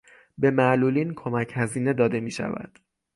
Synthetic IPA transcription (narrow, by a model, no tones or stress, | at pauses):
be̞mæluːliːnkʰo̞mæcʰhæziːne̞d̪ɒːd̪e̞miːʃæ̰væ̰d̪̥